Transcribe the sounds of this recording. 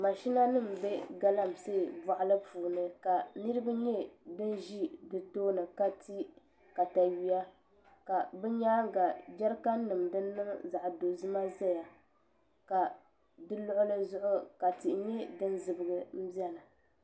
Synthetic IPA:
ma˨ʃi˦na˦nɨ˦˨mbɛ˦ɡa˦la˦mseː˦˨ba˨ʔlɨ˦puː˨nɨ˦ka˨nɨ˦ɾɨ˦ba˦ɲɛ˦dɨ˦n˦ʒi˦dɨ˨toː˦nɨ˨ka˦ti˦ | ka˨ta˨ɥi˦ja˦ | ka˨bɛ˦ɲaː˦ŋ˦ɡa˨d͡ʒɛ˦ɾka˦nː˦ɨ˨mdɨ˦nː˦ɨ˦ŋ˦za˨ʔdo˨zɨ˦ma˦zɛ˦ja˨ | ka˨ | dɨ˦lʊ˦ʔʊ˦lɨ˦zʊ˦ʔʊ˦ka˨ti˨ɲɛ˦dɨ˦n˦zɨ˨bɨ˨˦ɡɨ˦m̩˦bi˦ɛ˦nɨ˨

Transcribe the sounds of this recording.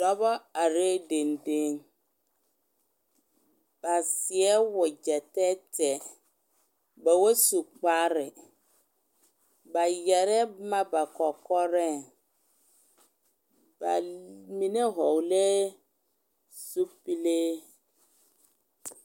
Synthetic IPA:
dɔ˦bɔ˦a˨ɾe˦de˨nde˦ŋ | b̥a˨sɪ˨ɛ˦wʊ˨d͡ʒɛ˨tɛ˦tɛ˨ | ba˨wo˦su˨k͡pa˦ɾɪ˨ | ba˨jɛ˨ɾɛ˦ma˦ba˨kɔ˨kɔ˦ɾɛ˦ | ba̰˨mi˦ne˦ɦɔ˨wle˦ | su˦pi˦le˦

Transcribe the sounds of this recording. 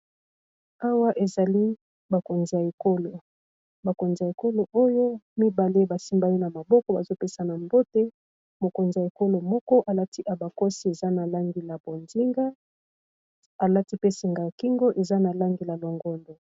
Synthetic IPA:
a˦wa˦ʔe˨za˨li˦ | ba˨ko˨nzi˨ja˨e˨ko˦lo˨ | ba˨ko˨nzi˨ja˨e˨ko˦lo˨ʔo˦jo˦mi˦ba˨le˦ba˨si˦mba˦i˦na˨ma˨bɔ˦kɔ˦ba˨zo˦pe˦sa˨na˨mbo˦te˦ | mo˨ko˨nzi˨ja˨e˨ko˦lo˨mɔ˦kɔ˦ʔa˨la˦ti˦ʔa˨ba˨ko˦si˦e˨za˦na˨la˦ŋɡi˨la˨bo˨nzi˦ŋɡa˦ | a˨la˦ti˦pe˦si˨ŋɡa˨ja˨ki˦ŋɡo˦ʔe˨za˦na˨la˦ŋɡi˨la˨lo˨ŋɡɔ˦ndo˨

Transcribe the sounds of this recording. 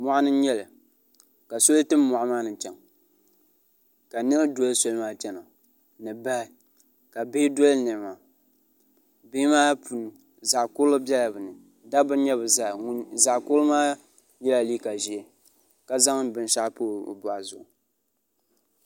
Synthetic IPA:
mɔ˨ʔa˦nɨ˦ɲɛ˦lɨ˨ | ka˨so˦ltɨ˦mː˦ɔ˨ʔa˦maː˦nɨ˨t͡ʃɛ˨ŋ | ka˨nɨ˦ɾɨ˦dɔ˦lɨ˦so˦lɨ˦maː˦t͡ʃɛ˦no˨ | nɨ˨ba˦ | ka˨beː˦dɔ˦lnɨ˨ma˨ | be˦maː˦pu˨n˨ | za˨kʊ˦lʊ˦bɛ˦la˨bɨ˨nɨ˨ | da˦bɨ˦ɲɛ˦bɨ˨za˦˨˦za˨ʔkʊ˦lmaː˦ | jɛ˦la˨li˦ka˨ʒi˨e˨ | ka˨za˦ŋ˦˨bɨ˨n˦ʃa˦po̰ː˦˨bɔ˨ʔa˨zʊ˨ʔʊ˨

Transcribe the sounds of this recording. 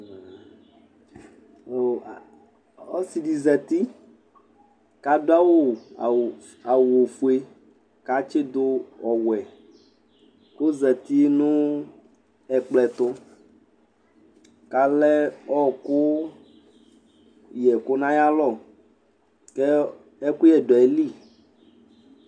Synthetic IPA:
ɔ˦si˨ɖi˨zɛ˨t̪i˦ | ka˨do˦a˦wo˦˨ | a˨wo˨fu˦e˦ | ka˦t͡ʃe˦d̪o˦ɔ˨wɛ˨ | ko˦zɛ˨t̪i˦nũ˦ | ɛ˨k͡plɛ˨t̪ʊ˦ | ka˨lɛ˦ɔ˦˨kʊ˦ | jɛ˨kʊ˦nã˦ja˦lɔ˦˨ | kɛ˦ | ɛ˦ku˦jɛ˨ɖɔ˨ɛ˨li˦˨

